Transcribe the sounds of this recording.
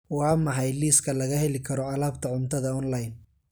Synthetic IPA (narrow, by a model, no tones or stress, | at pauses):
wɑːmɑħɑjliːskʰɐlɐɣɐhɛlɪkʰɐɾɔɐlaːbt̪ʰɐʕʊnt̪ʰɐðɐɔnlajn